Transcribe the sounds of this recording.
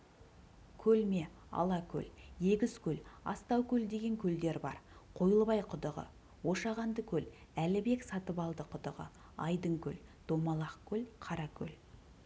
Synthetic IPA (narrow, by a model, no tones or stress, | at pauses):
kʲʰɵlme̞ | ɑ̰lˠɑkʲʰɵ̰lje̞ɡʲɪz̥kʲʰɵlɑ̰st̪ɑwkʲʰɵld̪e̞ɡʲe̞ŋkʲʰɵld̪e̞ɾbɑ̰ɾqʰo̞jəlˠbɑjqʰʊd̪əʁə̰ | woʃɑʁɑnd̪əkʲʰɵlælɪbe̞ksɑt̪əpɑlˠd̪əqʰʊd̪əʁə̰ | ɑjd̪əŋkʲʰɵ̰ld̪̥o̞mɑlˠɑqkʲʰɵlqʰɑɾɑkʲʰɵ̰l